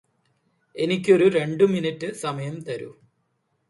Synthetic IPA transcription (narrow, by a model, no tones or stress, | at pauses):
e̞nikʲːo̞ɾuɾe̞ɳɖɨminitːɨsɐmɐjɐmt̪ɐɾṵ